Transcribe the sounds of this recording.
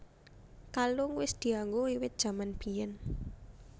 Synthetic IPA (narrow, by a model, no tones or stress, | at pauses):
kaloŋwɪsd̪̥i̤aŋɡoiwɪt̪̚dʒ̥a̤manb̥i̤jɛn